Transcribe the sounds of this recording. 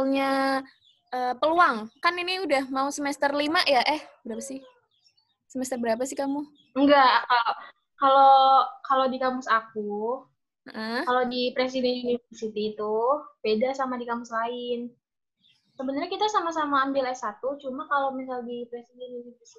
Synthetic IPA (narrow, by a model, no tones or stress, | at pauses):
alɲa | ʔəːpəluaŋkaniniudahmausəmɛst̪ərlimaʔjaʔɛhbəɾapasɪh | səmɛst̪ərbəɾap̬asɪkamu | ŋɡaʔkalo | kalokalodikamʊsak̚u | əʔəkalodipɾes̬idɛnjunivərsit̪it̪ʊhb̥edasamadikamʊslaɪn | səbənərɲakit̪asamasamaːmbɪlɛsat̪ut͡ʃumakalomisaldipɾesidɛnunivrsi